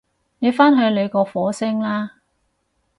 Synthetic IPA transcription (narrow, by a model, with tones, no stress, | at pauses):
ne˨˧jfaː˥nɦɵ˧ɥle˨˧jkɔː˧fɔː˨˥sɪ˥ŋlaː˥